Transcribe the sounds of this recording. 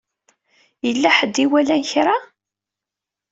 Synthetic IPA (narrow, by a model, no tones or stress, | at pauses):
jəlːæħəd̪ːiwælænçɾa